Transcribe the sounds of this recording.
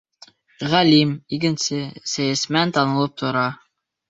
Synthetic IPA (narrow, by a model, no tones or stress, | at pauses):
ʁælimikɘ̆nsɘsæjæsmænt̪ɑnɤ̆lˠɤp̚t̪ʰŏɾɑ